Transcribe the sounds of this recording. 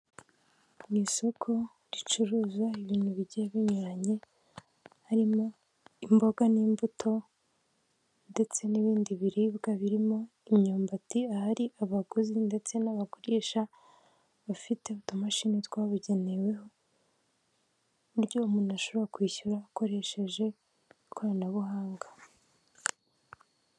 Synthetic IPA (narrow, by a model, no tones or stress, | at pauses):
iso̞kʰo̞ | ɾit͡ʃuɾuːzwaiβiːn̥huβiɟeβiɲuɾaɲe̞ | haɾimo̞ | imbo̞ɡaniːmbutʰo̞ | nde̞t͡se̞niβiːndiβiɾibɡaβiɾimo̞ | imɲoːmbatiahaɾiʔaβaɡuzinde̞t͡se̞naβakoɾeːʃa | βafite̞βutomaʃinitwaːβuɟe̞ne̞weɦo̞ | uɾjo̞umunuaʃo̞βoɾakwiːçuɾaːko̞ɾe̞ʃe̞ʒe̞ | kwaɾanaβuɦaːŋɡḁ